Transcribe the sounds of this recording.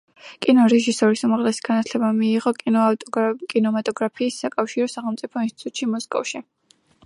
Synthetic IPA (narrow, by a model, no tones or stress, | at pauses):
kʼinɔɾɛʒisɔɾisumaʁlɛsi̥ɡ̥anat̪ʰlɛbamiːʁɔ | kʼinɔmat̪ʼɔɡɾapʰiːsːakʼafʃiɾɔsaχɛlˠmt̪sʼipʰɔinst̪it̪ʼut̪ʼʃimɔskʼɔ̰fʃi